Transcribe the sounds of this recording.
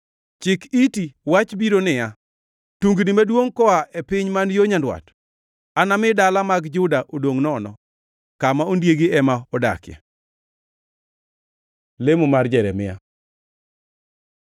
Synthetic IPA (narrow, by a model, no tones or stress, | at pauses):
t͡ʃɪkitiwat͡ʃbiɾonɪja | tuŋɡnɪmadwoŋkɔaʔepɪɲmanjoɲandwa̰t | anamɪdalamaɡd͡ʒʊdaʔodoŋnɔnɔ̰ | kamaondjeɡiɛmaɔda̰kɪjɛ̰ | lemomard͡ʒɛɾɛmɪ̰ja̰